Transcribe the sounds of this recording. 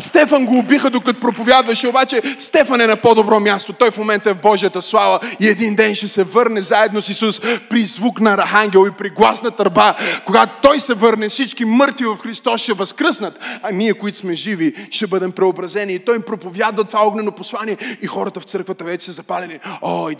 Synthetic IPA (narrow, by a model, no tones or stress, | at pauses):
st̪ɛfɐnɡoːbixəd̪okɐt̪opɾopovʲjad̪vɐʃɛobat͡ʃɛst̪ɛfɐnɛnɐpod̪obɾɔmʲjast̪ot̪ɔjfmomɛnt̪əɐɛvbɔʒijət̪əslˠavəiɛd̪ind̪ɛnʃɛsɛvɤɾnɛzaɛd̪nosisuspɾizvuknɐɾɐxaŋɡʲɛlˠipɾiɡlˠasnɐt̪ɐɾbakoɡat̪o̥t̪ɔjsɛvɤɾnɛfsit͡ʃkimɤɾt̪vivɐfxɾist̪ɔsʃɛvɐskɾəsnɐt̪ɐniɛkoit̪ʊ̥smɛʒiviʃɛbɤd̪ɛmpɾɛobɾɐzɛniːt̪ɔjmpɾopovjad̪vɐt̪ovaɔɡnɛnoposlˠaniɛixɔɾɐt̪əft̪sɤɾkvɐt̪əvɛt͡ʃɛ̥sɛzɐpalʲɛnioj